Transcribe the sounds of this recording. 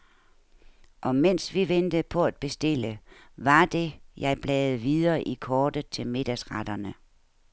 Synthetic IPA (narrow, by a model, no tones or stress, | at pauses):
ʔɒ̽mensʋiʋend̥əpʰɒ̽æd̥̚b̥e̝sd̥e̝lə | ʋɑ̈d̥e̝jɑ̈ɪb̥lɛːð̩ˠʋiðˠɐːʔikʰɒːd̥ət͡sʰe̝lme̝d̥æsʁad̥ɐnə